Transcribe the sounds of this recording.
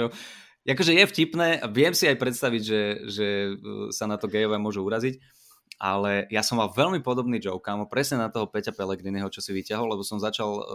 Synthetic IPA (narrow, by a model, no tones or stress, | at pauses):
ɔ | akɔʒɛjɛfcipnɛːʔaʋɪɛmsiajpɾɛt̪st̪aʋiɟʒɛʒɛsanat̪ɔɡɛɔʋɛmʊɔʒuuɾazic | ʔa̰lɛjasɔmːalʋɛʎmipɔd̪ɔbniːd͡ʒɔʊkamɔpɾɛsɲɛnat̪ɔɦɔpɛcapɛlɛɡɾinɛɦɔt͡ʃɔsiʋicaɦɔlɛbɔsɔmzat͡ʃal